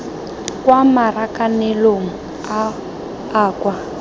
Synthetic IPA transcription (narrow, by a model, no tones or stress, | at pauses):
kwamarakanɛloŋ̩ | aː | kwa